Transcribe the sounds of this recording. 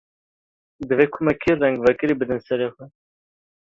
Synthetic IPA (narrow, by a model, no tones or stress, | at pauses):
d̪ɨveːkʰʊmɛkʰerɛŋɡvɛkɨɾiːbɨd̪ɨnsɛɾeːxʷɛ